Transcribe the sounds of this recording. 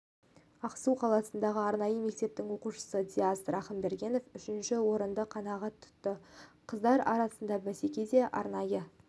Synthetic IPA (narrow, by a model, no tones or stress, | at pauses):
ɑqsuwqʰɑlˠɑsənd̪ɑʁəɑɾnɑjəme̞k̚t̪e̞p̚t̪ɪŋwo̞quʃə̥səd̪ʲiast̪ɾɑχəmbe̞ɾɡʲe̞no̞fʏʃɪnʃɪwo̞ɾənd̪əqʰɑnɑʁɑt̪ʰʊ̥t̪ːəqʰəzd̪ɑɾɑ̰ɾɑsənd̪ɑbæse̞kʲe̞d̪e̞ʔɑ̰ɾnɑjə